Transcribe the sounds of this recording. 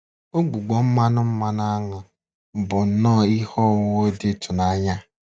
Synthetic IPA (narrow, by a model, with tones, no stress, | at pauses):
o˦ɡ͡bu˨ɡ͡bɔ˨m̩˦ma˦nʊ˦m̩˦ma˦n˦a˦ŋa˨ | bʊ˨n̩˨nɔː˦˨i˦hɔ˦˨wʊ˦dɪ˦tʊ˨na˦ɲa˦